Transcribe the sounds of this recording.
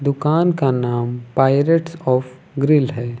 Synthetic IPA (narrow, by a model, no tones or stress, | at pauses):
d̪ʊkaːnkanaːmpaːɪɾəʈsɔːf | ɡɾɪlɦɛː